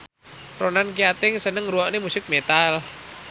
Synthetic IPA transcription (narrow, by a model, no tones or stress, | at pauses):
ronankiat̪ɪŋsənəŋɾuɔʔnemusɪk̚met̪al